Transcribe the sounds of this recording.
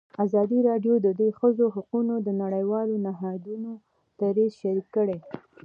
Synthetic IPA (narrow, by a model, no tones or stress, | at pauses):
azɑd̪iɾɑɖjod̪əd̪wexəzoɦaqunod̪ənaɽajwɑlonaɦɑd̪uno | t̪aɾezʃaɾikːəɽe